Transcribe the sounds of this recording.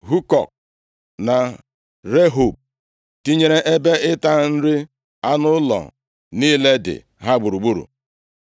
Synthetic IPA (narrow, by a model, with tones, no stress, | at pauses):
ɦu˦kɔ˨k̚ | na˨ | ɾe˦ɦo˨b̚ | ti˦ɲe˦ɾe˦ʔe˦be˦ʔɪ˦ta˦n̩˦ɾɪ˦ | a˦nʊ˦lɔ̰˨ | niː˦le˦dɪ̰˨ | ɦa˦ɡ͡bu˨ɾu˨ɡ͡bu˦ɾṵ˨